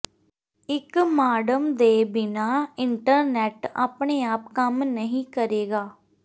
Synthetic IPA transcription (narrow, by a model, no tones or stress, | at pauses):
ɪkmaːɖəmd̪eːbɪnaːɪɳʈəɾnɛːʈa̰ːpɳeːaːpkəmnəɦĩːkəɾeːɡaː